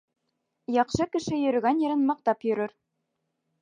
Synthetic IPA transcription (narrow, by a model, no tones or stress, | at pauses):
jɑqʃɤkɘ̆ʃɘjɵ̆ɾɘ̆ɡænjɘ̆ɾɘ̆nmɑq̚t̪ɑpjɵ̆ɾɘ̆ɾ